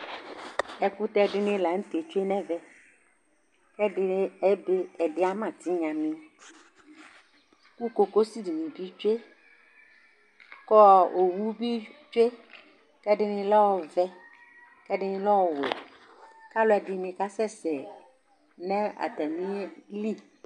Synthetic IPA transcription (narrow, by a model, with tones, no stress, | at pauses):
ɛ˨ku˦t̪ɛ˦ɖɪ˦nɪ̃˦la˨ŋ̩˦t̪e˨t͡ʃu˦e˦nɛ̃˦vɛ˨ | kɛ˦dɪ˦ɛ˦be˦ɛ˨ɖɪ˦a˦mã˨t̪i˦ɲã˨mĩ˦ | ku˦ko˨ko˦si˦di˨nĩ˨bi˦t͡ʃe˦ | kɔ˦o˨wu˦bi˦t͡ʃe˦ | kɛ˦ɖɪ˦nɪ̃˦lɔ˦wɔ˨vɛ˦ | kɛ˦ɖɪ˦nɪ̃˦lɔ˦wɔ˨wɛ̰˨ | ka˦lɔ˦ɛ˨dɪ˨mĩ˨ka˦sɛ˦˨sɛ˨ | nɛ̃˦a̰˨t̪ɛ˨mĩ˦li˦